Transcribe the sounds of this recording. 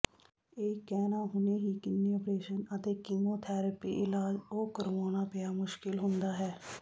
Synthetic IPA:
eːkːɛːnaɦʊneɦikɪnːiɔːpɾeːʃənət̪eːkiːmoːt̪ʰɛːɾəpḭʔɪlaːd͡ʒoːkəɾʋoːnapejamʊʃkɪlɦʊ̃nd̪aːɦɛː

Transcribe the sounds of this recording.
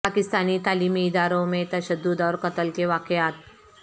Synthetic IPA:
akist̪aniːt̪alimiːd̪aɾomet̪əɕəd̪ːud̪ɔɾkət̪əlkeʋakjat̪̚

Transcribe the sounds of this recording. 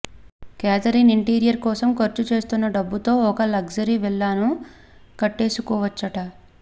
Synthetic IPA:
kaːt̪ɐɾiniɳʈiːɾijɐɾkɔːsɐmkɐɾt͡ʃut͡ʃe̞ːst̪unːɐɖɐbːut̪o̞ːɔkɐlɐɡd͡ʒɐɾiʋɛɭːaːnu | kɐʈːe̞ːsukɔːʋɐt͡ʃːɐʈɐ

